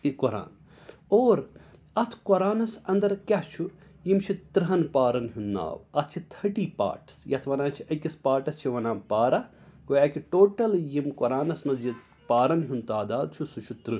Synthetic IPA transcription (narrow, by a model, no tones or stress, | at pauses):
ikɔɾa̰ːn | oːɾ | ɐt̪ʰkɔɾaːnɐsɐnd̪ɐɾkʲɐɦt͡ʃʰu | jimt͡ʃʰit̪ɾɨɦɐnpaːɾɐnɦunːa̰ːʋɐt̪ʰt͡ʃʰit̪ʰɐʈiːpa̰ːɾʈsjɐt̪ʰʋɐnãːt͡ʃʰiʔɐkispaːɾʈɐst͡ʃʰiʋɐnãːpaːɾa | koːjaːkiʈoːʈɐljimkɔɾaːnɐsmɐzjiz | paːɾɐnɦunt̪aːd̪aːd̪̚t͡ʃʰusut͡ʃʰut̪ɾɨ